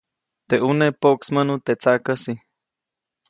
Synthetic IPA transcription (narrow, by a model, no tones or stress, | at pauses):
t̪eʔunepoksmənut̪et͡sakəsi